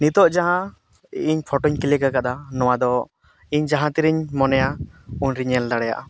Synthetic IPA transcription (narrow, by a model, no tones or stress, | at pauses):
nit̪ɔʔd͡ʒaɦã | iɲpʰɔʈɔɲkilɛkakad̪anɔwad̪ɔ | iɲd͡ʒaɦãt̪iɾiɲmɔnɛjauɲɾiɲɛld̪aɽɛja̰ʔa